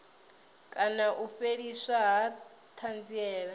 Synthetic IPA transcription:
kʼanaʔuɸeɺisaɦa | t̪ʰand͡ziɛːɺa

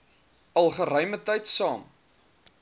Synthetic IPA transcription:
ɐlˠχəɾœjmətɐjtsɑːm

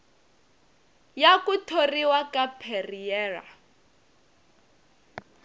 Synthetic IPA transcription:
jakutʰoriwakapʰeriɛːra̰

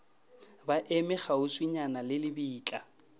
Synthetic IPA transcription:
baʔemɪχaʊswiɲanalɪlɪbiːt͡ɬʼa

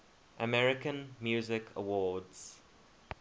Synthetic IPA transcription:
ʔəmɛɹɪkə̃nmjuːzɪkʰə̰wɔːdz̥

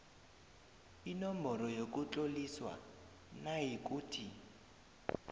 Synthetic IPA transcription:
inɔmbɔɾɔjok̬ʼut͡ɬʼoliswa̰ | naɦik̬ʼuːtʰi

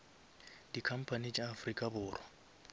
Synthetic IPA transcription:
d̥ikʰam̩pʰanit͡ʃʼaːfʊrikʼabʊːrwa

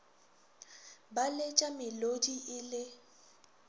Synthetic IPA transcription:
balet͡ʃʼamɪlodiʔɪlɪ

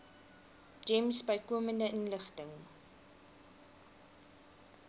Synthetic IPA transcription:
d͡ʒɛmsbəjkuəməndəʔənləχtəŋ

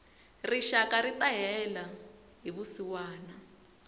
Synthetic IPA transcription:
riʃakaɾit̪aɦɛla | ɦiβusiwaːna

